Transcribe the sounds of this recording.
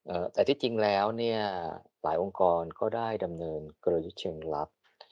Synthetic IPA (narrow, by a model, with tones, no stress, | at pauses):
ʔɤː˨˧˩t̪ɛː˨˩t̪ʰi˥˩t͡ɕi˧ŋlɛː˦˥wni˥˩ɐə | la̰ː˩˦jʔo˧mkɔː˧nkɔː˥˩daː˥˩jda˧mnɤː˧nkɾoː˧ju˦˥t̚t͡ɕʰɯ˧əŋla˦˥p̚